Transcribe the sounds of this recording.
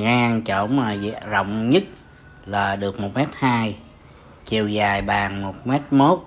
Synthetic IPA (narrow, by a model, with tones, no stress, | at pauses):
ŋʔaː˧ŋt͡ɕo˧˩˦maː˨˩zzə̰˧˨wŋ͡mɲə˦˥t̚ | laː˨˩ɗɨ˨˩ək̚mo˨˩t̚mɛ˦˥t̚haː˧j | t͡ɕi˨˩əwzaː˨˩jɓaː˨˩ŋmo˨˩t̚mɛ˦˥t̚mo˦˥t̚